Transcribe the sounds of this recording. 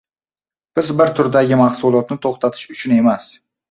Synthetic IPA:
b̥ɪzbɪɾt̪ʰʊɾd̪aɡʲɪmahsʊlˠɒt̪nɪt̪ʰoχt̪ʰat̪ʰɪ̥ʃʊt͡ʃʰʊne̞mas

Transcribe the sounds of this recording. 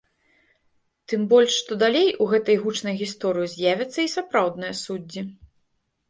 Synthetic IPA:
t̪ɨmbɔlʲʂːt̪ɔd̪alʲejʔuɣɛt̪ɐjɣut͡ʂnɐjɣʲist̪ɔɾɨjizʲjavʲɐt̪sːɐisapɾawd̪nɨjɐsud͡zʲːi

